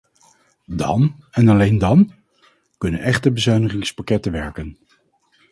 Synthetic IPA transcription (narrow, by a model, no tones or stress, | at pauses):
dɑ̰nɛnɑlejndɑn | kɵnə̰nɛχtəbəzœɥnəχɪŋspakɛtəʋɛɹkən